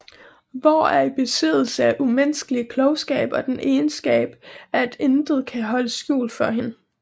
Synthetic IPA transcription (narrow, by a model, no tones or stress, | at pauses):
ʋɒæɐib̥e̝sið̰ˠl̩səæʔumensɡ̥əliəkʰlɒʊsɡ̥ɛ̰ːb̥ɒ̽d̥enʔeːnsɡ̥ɛ̰ːb̥æd̥end̥ð̞̩ˠkʰæɦɒ̽ləsɡ̥jṵːlfɒ̽ɦe̝n